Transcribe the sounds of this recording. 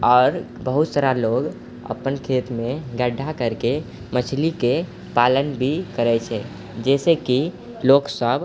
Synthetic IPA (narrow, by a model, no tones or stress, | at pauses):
ɔːɾ | bəɦut̪saɾaloɡ | ə̰pənkʰet̪mẽɡəɖʱːakəɾke | mət͡ʃʰlike | palənbʱikəɾɛt͡ʃʰɛ | d͡ʒɛːseki | loːksəb